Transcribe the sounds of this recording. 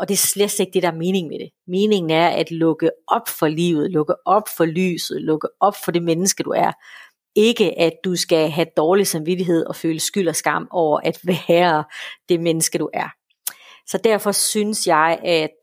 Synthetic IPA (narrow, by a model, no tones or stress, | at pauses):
ʔɒ̽d̥e̝sle̥seɡ̥̚d̥e̝ɾɑ̈æɐme̝ːne̝ŋmed̥e̝ | me̝ːne̝ŋn̩æɐʔæd̥lɔ̽ɡ̥əɒ̽b̥fɒ̽lḭːʊð̞̩ˠlɔ̽ɡ̥əʔɒ̽b̥fɒ̽ly̰ːsð̩ˠlɔ̽ɡ̥əɒ̽b̥fɒ̽d̥e̝menəsɡ̥əd̥uæɐ | e̝ɡ̥əʔæd̥usɡ̥æɦæd̥ɒːlisɑ̈mʋidiɦe̝ð̞̰ˠɒ̽føːləsɡ̥yl̰ɒ̽sɡ̥ɑ̈m̰ɒʊ̰ɐʔæd̥ʋæɐd̥e̝menəsɡ̥əd̥uʔæɐ | sɒ̽d̥æɐfɒ̽synəsjɑ̈ɪʔæd̥